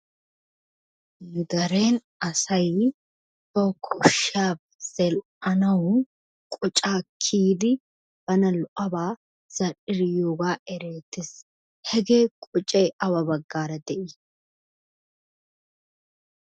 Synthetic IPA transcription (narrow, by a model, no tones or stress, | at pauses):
ɡɐɾe̞ːn | ɐsɐj | t̪oːkʰʊʃaːb | z̥ɛl | ɐnɐwʊ | kʼʊt͡ʃʼaːkʰiːd̪ɪ | b̥ɐnɐlʊʔɐbaː | z̥ɐrɪɾɪjoːɡaːʔɛɾeːt̪ːɪs | hɛɡe̞ːkʼʊt͡ʃʼeːʔɐwɐbɐɡːaːɾɐd̪ɛʔɪ